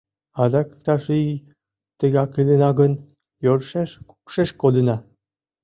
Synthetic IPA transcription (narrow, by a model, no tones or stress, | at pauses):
ɑd̪ɑkɯ̥k̚t̪ɑʃi | t̪ə̆ɣɑklid̪ənɑɣə̆n | joɾʃeʃku̥kʃeʃkod̪ə̆nɑ